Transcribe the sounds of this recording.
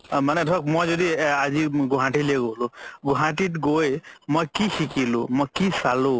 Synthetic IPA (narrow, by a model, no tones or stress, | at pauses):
manetʰɔk̚mɔjzɔd̪iaziɡuɦãʈileɡoɦoluɡuɦãʈiʈɡojmojkikʰikilṵmɔjkisalu